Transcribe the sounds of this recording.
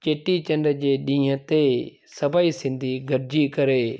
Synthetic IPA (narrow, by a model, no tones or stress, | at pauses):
t͡ʃeːʈiːt͡ʃə̃nɖd͡ʑeːɗĩːɦə̃t̪eː | səbaːiːsɪ̃nd̪ʱiːɡəɾd͡ʒiːkəɾeː